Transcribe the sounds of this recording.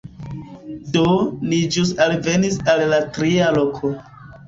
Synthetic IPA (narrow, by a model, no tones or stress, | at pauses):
donid͡ʒusalve̞nisalːatɾialokʰo